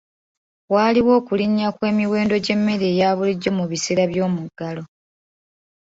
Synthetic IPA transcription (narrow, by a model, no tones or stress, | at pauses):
waːliwo̞ːkuliɲːakwe̞ːmiwe̞ːndo̞ɟe̞mːe̞ɾe̞ːjaːβuliɟːo̞muβiseːɾaβjo̞ːmuɡːalo̞